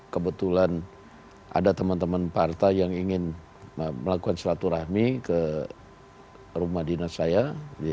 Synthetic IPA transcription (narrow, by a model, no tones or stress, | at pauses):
kəbət̪ulan | ʔa̰dat̪əmant̪əmanpart̪ajaŋiŋɪn | məlakukansəlat̪uɾahmikə | rumahdinasaja